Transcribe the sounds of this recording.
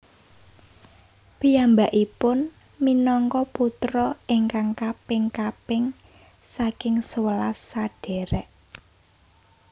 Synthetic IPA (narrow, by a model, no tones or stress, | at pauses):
pijambaʔipʊn | minɔŋkɔput̪ɾɔʔɪŋkaŋkapɪŋkapɪŋ | sakɪŋsəwəlasːaɖ̥ɛ̤ɾɛʔ